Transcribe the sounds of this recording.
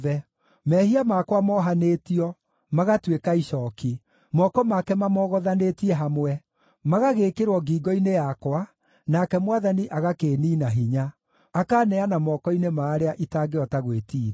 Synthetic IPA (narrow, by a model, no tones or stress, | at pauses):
ðɛ | mɛhiamakwamɔɦaneːtiɔ | maɣatwekaiʃɔːki | mɔkɔmakɛmamɔɣɔðanetiɛɦamwɛ | maɣaɣekeɾwɔɡiɡɔinejakwa | nakɛmwaðaniʔaɣakeːniːnaɦiɲaː | kaːnɛanamɔkɔinemaːɾeaʔitaːɡeɔtaɣwetiː